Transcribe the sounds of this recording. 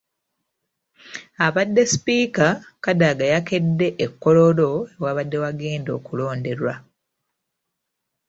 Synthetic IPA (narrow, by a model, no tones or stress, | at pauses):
aβadːe̞spiːkakadaɡajake̞dːe̞ʔekːo̞lo̞lo̞e̞waβadːe̞waɡe̞ːndo̞ːkulo̞ːnde̞ɾwa